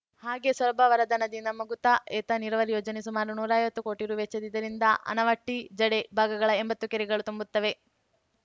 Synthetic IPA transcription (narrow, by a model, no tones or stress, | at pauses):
haːɡe̞sʋɐlbɐʋɐɾɐd̪ɐnɐd̪inɐmɐɡut̪ɐʔeːt̪ɐniɾɐʋɐɾijoːd͡ʒɐnesumaːɾunuːɾaːjʋɐt̪ːuko̞ːʈiɾuʋet͡ʃɐd̪id̪ːɐɾind̪ɐʔɐ̰nɐʋɐʈːid͡ʒɐɽebʱaːɡɐɡɐɭɐembɐt̪ːukeɾiɡɐɭut̪umbut̪ːɐʋe̞